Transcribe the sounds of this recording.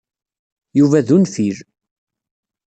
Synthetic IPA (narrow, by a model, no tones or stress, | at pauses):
juvæðunfiɾ